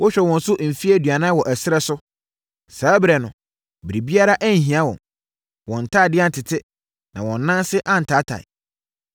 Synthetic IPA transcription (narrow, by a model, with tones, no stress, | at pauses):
wʔɔ˦ɕᶣɛ˨wɔ̃˨n̩˦sʊ˦ʔm̩˨fi˦æ˦dɥa˨nã˦wɔ˨ʔæ˨sɪ˦ɾɛ˦sʊ˦ | saː˨˦bɾɛ˨nʊ̰̃˨ | bɾi˨bi˦a˦ɾa˦ʔæ˦ɲ̩˨ɦĩ˨a˦wɔ̰̃˨n | wɔ̃˨n̩˨tʰaː˦˨dɪ˦a˦n̩˨tʰɪ˨tʰɪ˦ | nã̰˨wɔ̃˨n̩ː˦ã˦nsɪ˦ʔã˦n̩˨tʰa˨˦tʰa̰˨ɪ̰˨